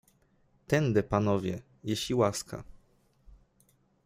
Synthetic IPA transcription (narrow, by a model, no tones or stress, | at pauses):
t̪ɛnd̪ɛpanɔvʲjɛ | jeɕlʲiwaska̰